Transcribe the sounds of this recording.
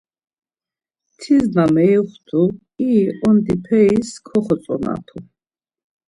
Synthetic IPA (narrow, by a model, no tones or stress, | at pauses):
t̪ʰiznamɛjχt̪ʰu | iɔnd̪ipʰɛiskʰɔχɔsʼɔ̰na̰t̪ʰu